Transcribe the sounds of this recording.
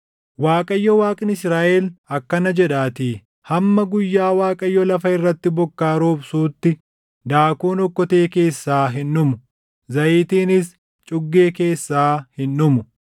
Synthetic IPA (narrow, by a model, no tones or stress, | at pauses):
waːkʼɐjːɔwaːkʼɪnɪsɾaːʔɛlɐkːɐnɐd͡ʒɛᶑaːt̪iː | hɐmːɐɡʊjːaːwaːkʼɐjːɔlɐfɐɪrːɐt̪ːɪbɔkːaːɾoːbsuːt̪ːɪ | d̪aːkuːnɔkːɔt̪e̞ːke̞ːsːaːɦɪnːʊmʊ | zɐʔiːt̪iːnɪs | t͡ʃʼʊɡːe̞ːke̞ːsːaːhɪnːʊmʊ